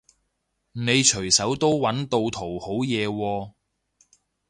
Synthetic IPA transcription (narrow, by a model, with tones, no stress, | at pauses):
ne˨˧jt͡ʃʰɵ˨˩ɥsɐ˨˥wt̪o˥wːɐ˨˥nt̪o˧wt̪ʰo˨˩who˨˥wjɛː˨˧wɔː˧